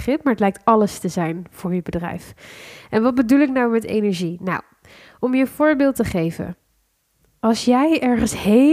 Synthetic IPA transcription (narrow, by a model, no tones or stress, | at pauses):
χɪp̚maɹətlɛjk̚tɑləstəzɛjnv̥ʊːɹjəbədrɛ̰jfʔɛnʋɑt̚bədulɪknɑwmɛtḛjnɛɹʒina̰w | ɔmjəv̥ʊːɹbɪːlˠtəχejvə̰ | ɑlˠsjɛjɛɹχənshe